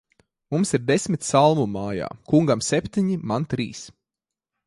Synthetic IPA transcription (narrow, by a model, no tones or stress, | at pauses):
mumsiɾd̪esmit̪ʲsalˠmumaːja̰ːkuŋɡamsɛpʲt̪iɲimant̪ɾiːs